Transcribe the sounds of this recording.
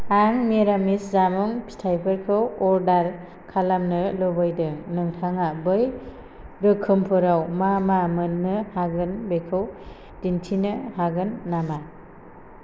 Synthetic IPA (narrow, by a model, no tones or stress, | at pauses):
aŋmeɾamiszamuŋpʰi̥tʰajpʰɯɾkʰɯwɔɾdaɾ | kʰalamnɯlɔbɯjdɯŋnɯŋtʰaŋabɯj | ɾɯkʰɯmpʰɯɾawmamamɯnːɯhaɡɯnbekʰɯw | dintʰinɯɦaɡɯnːama